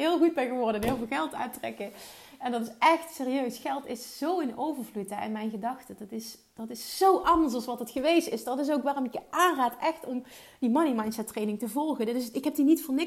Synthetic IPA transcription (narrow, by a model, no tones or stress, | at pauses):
ɦɪːlˠɣud̚bɛjɣəʋɔɹdəɛnɦɪːlˠvɪːlˠɣɛlˠta̰ːtrɛ̰kə | ɛndɑtɪsʔɛxtseːrijøɥsxɛlˠtɪsz̥owɪnowvəɹvlutəɪ̰nmɛjnɣədɑxtədɑtɪs | d̥ɑtɪszowʔɑndəɹs̬ɑlsʋɑtɦətxəʋejstɪsd̥ɑtɪs̬owkʋaːrɔmɪkjəʔaːnraːtɛxtɔm | dimɑnimɑjntsɛtːrejnɪŋtəvɔlˠɣəndɵsɪkɦɛp̚dinitfʊːnɪ